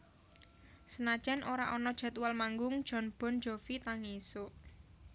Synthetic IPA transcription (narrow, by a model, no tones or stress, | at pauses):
sənad̥ʒ̥ɛnʔoɾa̰ʔɔnɔd̥ʒ̥a̤t̪walmaŋɡʊŋd̥ʒ̥ɔ̤nb̥ɔ̤n̥d͡ʒ̥o̤fit̪aŋesʊʔ